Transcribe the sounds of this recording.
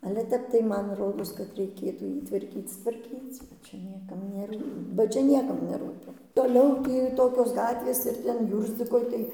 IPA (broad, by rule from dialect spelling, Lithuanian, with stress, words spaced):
ɐlʲɛ ˈtʲɛp tɐɪ ˈmɐn ˈroːdoːs kɐt rʲɛɪˈkʲeːtuː ˈjiː tʋɐrʲˈkʲiːt͡s tʋɐrʲˈkʲiːt͡sʲ ˈt͡ʃʲɛ ˈnʲiɛkɐm nʲɛˈruː bɐ ˈt͡ʃʲɛ ˈnʲiɛkɐm nʲɛˈruːpʲɪ ˈtoːlʲɛʊ ˈtʲiː ˈtoːkʲoːs ˈɡɑːtʲʋʲeːs ɪr ˈtʲɛn ˈjuːrʲzʲd͡zʲɪkoːj tɐɪ